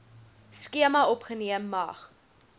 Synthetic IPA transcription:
skiəmɐɔpχəniəmːɐχ

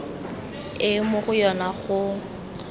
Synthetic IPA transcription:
ɪmʊχʊjɔnaɣʊ

